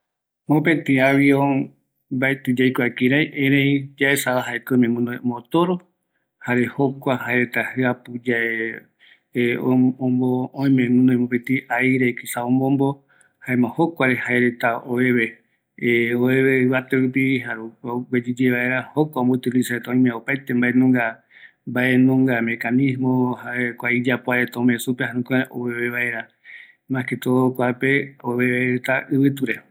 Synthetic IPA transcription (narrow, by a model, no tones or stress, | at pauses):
mopẽt̪ĩaβio | baet̪ɨd͡ʒajkʷakĩɾajʔẽɾẽjd͡ʒaesaβaɦaekomẽmɨ̃nd̪ojõmbot̪oɾo | haɾe̞hokʷahaeɾet̪ahɨapud͡ʒae | oõmboõĩmẽmɨ̃nõj̃mopẽt̪ĩʔaiɾejkisaõmbombo | haẽmãhokʷaɾehaeɾe̞t̪aoeβe | oeβeɨβat̪eɾupiɦaɾuwed͡ʒid͡ʒeβae̞ɾahokʷaõmbout̪ilisaet̪aõj̃mẽopajt̪embaʔenõŋɡa | mbaʔe̞nõŋɡamẽ̞kanĩsmõhaekʷaid͡ʒapoaet̪aõmẽsupehãnũkʷẽʔoeβeβaʔeɾa | mãket̪okʷapeoβeaeɾet̪aʔɨβɨt̪uɾe